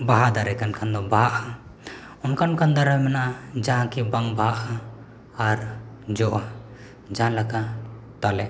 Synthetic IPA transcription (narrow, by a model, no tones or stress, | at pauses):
baɦad̪aɾɛkankʰand̪ɔbaaʔha | ɔnkankand̪aɾajmɛnaʔad͡ʒãkɛbaŋbaʔhaː | ɾd͡ʒɔʔa | d͡ʒãlaka | t̪alɛ